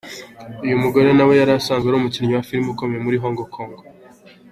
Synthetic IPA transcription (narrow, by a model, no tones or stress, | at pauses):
ujumuɡo̞ɾe̞nawe̞jaɾasaːŋɡweaɾoːmucinɲowafiɾmukomejemuɾiɦoːŋɡokʰoːŋɡo